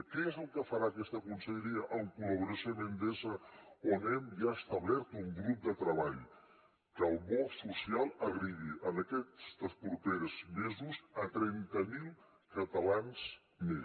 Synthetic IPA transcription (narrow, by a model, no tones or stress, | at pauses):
kɛezəlˠkəfəɾaːkɛst̪əkunsəʎəɾiəʔəlkuləβuɾəsonənd̪ezəonɛmʒaəst̪aβlɛɾt̪uŋɡɾup̚d̪ət̪ɾəβ̞aʎ | kəlˠβɔsusialˠəɣɾiɣiʔənəkɛst̪əspɾupeɾzmezuzət̪ɾɛnt̪əmilˠ | kət̪əlanz | me